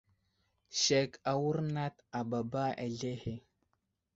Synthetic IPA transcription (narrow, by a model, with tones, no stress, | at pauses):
ʃe˨ka˨wu˦ɾna˦ta˨ba˨ba˦a̰˨ɮe˦he˨